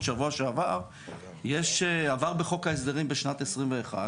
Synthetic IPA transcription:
ʃavuaʃeavaʁ | jeʃeavaʁbeχo̞kaes̬d̪eʁimbeʃnat̪esʁimveːχa̰

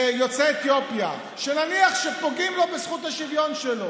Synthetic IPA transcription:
jo̞t͡seet̪jopja | ʃenaniaχʃepo̞ɡimlo̞besχut̪haʃivjo̞nʃelo̞

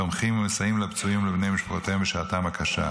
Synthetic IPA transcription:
omχimemesajimlept͡suimlebnejmiʃpaχot̪eembeʃat̪amakʰaʃa̰

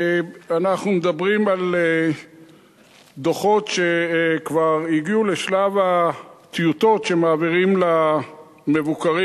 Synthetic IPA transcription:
anaχnumed̪abʁimale | d̪oχo̞tʃekvaʁiɡiuleʃlavat̪ijut̪o̞tʃe̞maːviʁimla | me̞vukaʁi

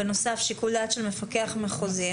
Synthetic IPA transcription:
eno̞safʃikuld̪aːtʃelme̞fakeaχmeχozi

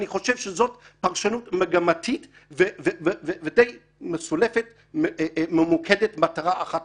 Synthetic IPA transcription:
niχo̞ʃe̞vʃezo̞tpaʁʃanutmeɡamatʰit | vevevevevedej | mesule̞fet | mememukʰedetmataʁaaχat

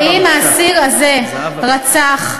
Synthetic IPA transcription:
imasiʁaze | ʁat͡saχ

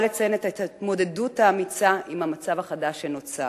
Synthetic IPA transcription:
let͡sajenet̪atait̪mo̞de̞duthaːmit͡saʔimhamat͡savaχadaʃenot͡sa

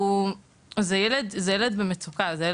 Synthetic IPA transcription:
u | zejɛled̪zejɛled̪bemet͡sukazeje

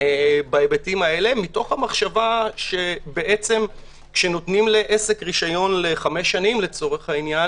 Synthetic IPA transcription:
ebaebetimae̞le̞mito̞χhamaχʃavaʃe̞beʔet͡se̞m | kʃeno̞tnimleʔese̞kʁiʃajo̞nle̞χame̞ʃːanimle̞t͡so̞ʁeχhainja

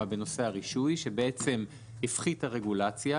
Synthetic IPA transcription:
abe̞no̞seaʁiʃujʃebeet͡se̞m | hifχitaʁe̞ɡulat͡sja

